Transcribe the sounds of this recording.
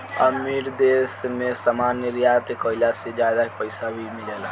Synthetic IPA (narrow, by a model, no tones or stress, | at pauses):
əmiɾd̪esmesamanəɾijat̪ekəilased͡ʒjad̪apəɪsabʱimilela